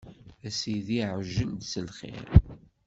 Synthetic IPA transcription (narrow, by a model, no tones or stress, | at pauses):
æsiðiʕʒənd̪səlχɪ̰ɾ